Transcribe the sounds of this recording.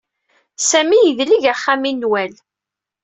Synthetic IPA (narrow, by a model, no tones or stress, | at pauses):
sæmijəðliʝaχːaminːwæl